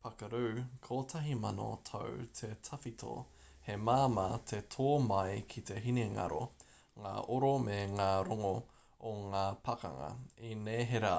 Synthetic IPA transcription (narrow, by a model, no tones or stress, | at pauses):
pɐkɐɾʉːkʰoːtʰɐɦimɐno̰tʰo̰wtʰetʰɐfitʰo̰ | hemaːmɐt̪ʰetʰoːmɐjkʰit̪eɦineŋa̰ɾo̰ | ŋa̰ːʔoɾomeŋaːɾoŋo | oŋaːpʰɐkɐ̰ŋɐ̰ineːɦeɾa